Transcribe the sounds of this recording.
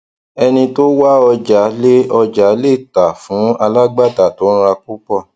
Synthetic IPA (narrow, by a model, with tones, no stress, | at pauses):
ɛ˧nĩ˧to˦wa˦ɔ˧d͡ʒa˨˦le˦ɔ˧d͡ʒa˨˦le˦˨ta˨fũ˨˦a˧la˦ɡ͡ba˦˨da˨tõ˨˦ɾa˧ku˦k͡pɔ˦˨